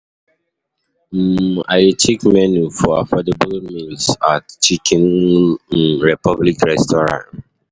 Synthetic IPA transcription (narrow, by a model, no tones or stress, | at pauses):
m̩a̰ɪitʰikmɛnufɔa̰fɔdebulmilsatt͡ʃikʰĩnm̩ɹipɔblikɹɛstɔɹã̰n